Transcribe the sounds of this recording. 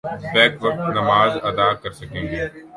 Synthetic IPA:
tɛːkʋɐk̚t̪nɐmaːzɐd̪aːkɐɾsɐkẽːŋɡeː

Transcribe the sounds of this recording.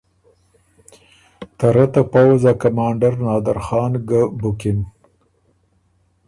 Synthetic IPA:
t̪aɾat̪apawzakamɑːɳɖaɾnɑːd̪aɾxɑːnɡabʊkɪn

